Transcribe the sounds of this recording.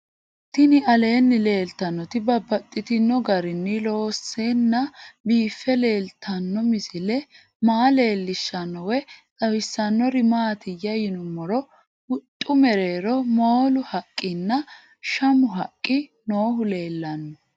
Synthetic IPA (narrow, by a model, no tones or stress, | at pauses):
t̪ɪnɪɐle̞ːnːɪle̞ːlt̪ːɐnːɔt̪ɪbɐbːɐt̪ʼːɪt̪ɪnːɔɡɐɾɪnːɪlo̞ːsːenːɐbiːfːɛle̞ːlt̪ʰːɐnːɔmɪsɪlɛ | maːle̞ːlːɪʃːɐnːɔwɛt͡sʼɐwɪsːɐnːɔɾɪmaːt̪ɪjɐjɪnʊmːɔɾɔ | hʊt̪ʼːʊmɛɾe̞ːɾɔmoːlʊhɐkʼːɪnːɐ | ʃɐmʊɦɐkʼːɪ | no̞ːɦʊle̞ːlːɐnːɔ